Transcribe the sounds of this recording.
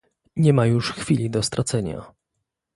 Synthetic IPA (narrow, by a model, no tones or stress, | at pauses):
ɲɛmajuʂxfʲilʲid̪ɔst̪ɾat̪sɛɲa̰